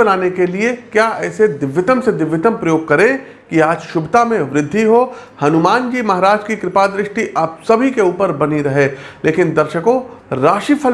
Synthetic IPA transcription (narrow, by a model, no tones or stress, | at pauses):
ɐnaːnekeliekjaːɛːsed̪ɪʋːɪt̪əmsed̪ɪʋːɪt̪əmpɾɐjoːɡ̚kɐɾẽ | kiaːd͡ʒʃʊbt̪amẽʋɾɪd̪ʱːiɦoː | hɐnʊmaːnd͡ʒiːmɐɦaɾaːd͡ʒkikɾɪpaːd̪ɾɪʃʈiʔaːp̚sɐbʱikeuːpəɾbɐniɾɐɦeːleːkɪnd̪ɐɾʃəkõɾaːʃifʰəl